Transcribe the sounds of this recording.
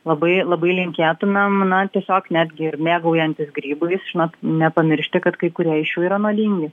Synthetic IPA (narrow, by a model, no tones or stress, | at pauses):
lˠɐbɐɪlˠɐbɐɪlʲɪŋʲkʲeːt̪ʊnɐmnɐt̪ʲiɛsʲoːknʲæːd̪ʲɡʲɪɪɾmʲeːɡɐʊjɛnʲt̪ʲɪsɡɾʲiːbɐɪsʒ̥ʲɪnoːt̪nʲɛpɐmʲɪɾʲʃʲt̪ʲɪkɐt̪kɐɪkʊɾʲiɛɪʃjuːiːɾɐnuɔd̪ʲiːŋʲɡʲɪ